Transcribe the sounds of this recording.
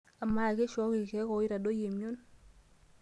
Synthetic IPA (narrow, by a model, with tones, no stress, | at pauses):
a˨ma˨kɛ˦ʃɔ˦ki˨kɛ˦kɔ˨i˦ɾa˨do˦je˨mjo˦n